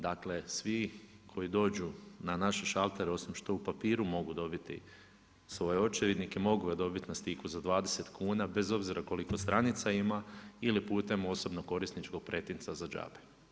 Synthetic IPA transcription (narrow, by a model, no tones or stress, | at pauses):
d̪akle̞sʋikʰo̞jid̪o̞ːd͡ʒunanaʃe̞ʃalˠt̪eɾeo̞sʋimʃt̪o̞upapiːɾumo̞ɡud̪o̞bit̪ḭ | sʋo̞jeo̞t͡ʃeɾed̪nikemo̞ɡuɡad̪o̞bit̪nast̪ikuzad̪ʋaːd̪e̞se̞t̪kʰuːnabe̞zo̞bziɾako̞liko̞st̪ɾanit̪saimailipuːt̪e̞mo̞so̞bnoko̞ɾisnit͡ʃko̞ɡ̚pɾe̞t̪int̪sazad͡ʒa̰ːbe̥